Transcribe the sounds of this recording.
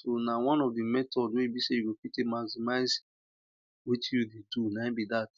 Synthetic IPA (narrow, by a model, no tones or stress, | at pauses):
sonawãnɔvdimɛtɔdwebisejuɡopitemasimaɪz | wit͡ʃjudedunaɪ̃bidat